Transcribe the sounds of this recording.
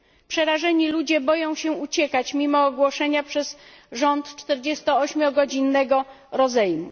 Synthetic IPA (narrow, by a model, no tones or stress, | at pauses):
pʂɛɾaʐɛɲilud͡ʑɛbɔjɔ̃w̃ɕɛut͡ɕɛkat͡ɕmʲimɔːɡwɔʂɛɲapʂɛsʐɔnt̪t͡ʂt̪ɛɾd͡ʑɛst̪ɔɔɕmʲjɔɡɔd͡ʑinːɛɡɔ | ɾɔzɛjmṵ